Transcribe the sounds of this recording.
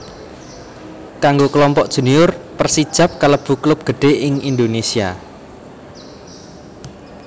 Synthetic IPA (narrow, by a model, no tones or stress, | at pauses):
kaŋɡokəlɔmpɔʔd̥ʒ̥ṳniʊrpərsid̥ʒ̥a̤p̚kələb̥ṳklʊp̚ɡ̥əɖ̥e̤ʔɪŋind̪onesia̰